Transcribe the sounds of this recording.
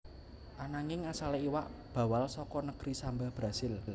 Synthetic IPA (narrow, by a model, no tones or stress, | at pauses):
ʔanaŋɪŋasaleiwaʔb̥a̤walsɔkɔnəɡ̥ɾisambab̥ɾasɪll